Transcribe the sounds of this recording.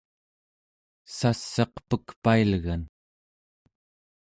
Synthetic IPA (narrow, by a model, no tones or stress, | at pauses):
sasːɑqpəkpailɣan